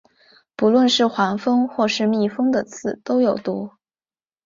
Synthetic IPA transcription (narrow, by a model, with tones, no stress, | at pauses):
pu˧˥lwə˥˧nʂɻ̩˥˩xwa˧˥nfɤ˥ŋxwɔ˥˧ʂɻ̩˥˧mi˥˩fɤ˥ŋd̪ə˨t͡sʰɹ̩˥˩t̪o˥ʊjo˨˩ʊt̪u˧˥